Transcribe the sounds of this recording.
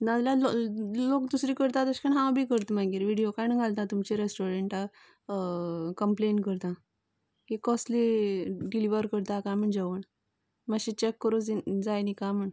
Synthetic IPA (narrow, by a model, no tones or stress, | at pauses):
nad͡zlallokd̪usɾiːkəɾt̪at̪əɕkaɳɦãwbʱiːkəɾt̪maɡiːɾʋiɽijokajnə̃ŋɡʱalt̪ãt̪umt͡ɕeɾesʈoɾeɳʈa | kəmpleɳʈkəɾt̪ã | kikɔsliɖiliʋəɾkəɾt̪ãkam̤əɳd͡ʑeʋəɳ | maɕit͡ɕekːəɾod͡zd͡zajnikam̤əɳ